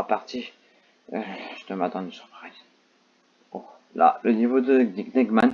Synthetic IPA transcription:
paʁt̪i | ʒt̪əmat̪ɑ̃d̪əsy̥ʁpaʁɛj | o | la̰lənivod̪əɡ̪iɡnɛɡman

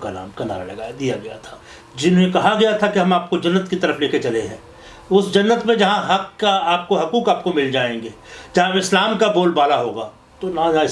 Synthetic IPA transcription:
kana̰ːmkɐna̰ːɾa̰lɐɡaːjad̪ijaɡɐja̰t̪ʰḁː | d͡ʒɪnɦũnẽkɐɦaɡɐjat̪ʰakeɦɐmaːp̚kod͡ʒɐnːət̪kit̪ɐɾəfleːket͡ʃɐleɦɛ̰̃ː | ʊsd͡ʒɐnːət̪mẽd͡ʒɐɦãɦɐkːaaːp̚koɦɐkuːkaːp̚komɪld͡ʒaːẽːŋɡeːd͡ʒɐɦãɪslaːmkaboːlbaːlaɦoːɡaː | t̪onɐããɪ

